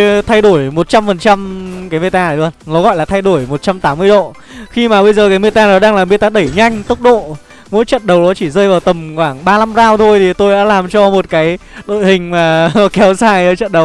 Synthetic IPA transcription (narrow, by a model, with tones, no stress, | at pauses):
t̪ʰa˧jɗo˧˩əjmo˨˩t̚t͡ɕa˧mfə˨˩nt͡ɕa˧mkaː˨˦jme˧˩t̪aː˧˨˩ɗənnɔ˨˦ɣɔ̰˧˨jlaː˨˩t̪ʰa˧jɗo˧˩əjmo˨˩t̚t͡ɕa˧mt̪aː˨˦mːɨ˧əjɗo̰˧˨ | xi˧maː˨˩ɓə˧jzəː˨˩kaː˨˦jme˧˩t̪aː˧nɔ˨˦ɗaː˧ŋlaː˨˩me˨˩t̪aː˧ɗə˧˩jɲa˧jŋ̟t̪ʊ˦˥k͡p̚ɗo̰˧˨ | mo̰˧˥jt͡ɕə̰˧˨nɗə˨˩wɗɔ˨˦t͡ɕi˧˩zəː˧jvaː˨˩wt̪ə˨˩mkwaː˧˩ŋɓaː˧la˧mzaː˧wt̪ʰo˧jt̪ʰi˨˩t̪o˧jɗa̰ː˧˥laː˨˩mt͡ɕɔ˧mo˨˩t̚kaː˨˦jɗo̰˧˨jhï˨˩ŋ̟maː˨˩˨kɛ˨˦wzaː˨˩jt͡ɕə̰˧˨nɗə˨˩˦w